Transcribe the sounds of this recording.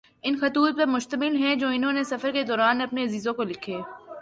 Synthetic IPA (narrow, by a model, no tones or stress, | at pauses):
ɪnxɐt̪uːt̪̚pɐɾmʊʃt̪əmɪlɦɛ̃d͡ʒoːɪnɦõːnesɐfəɾked̪ɔːɾaːnɐpneɐziːzõkolɪkʰeː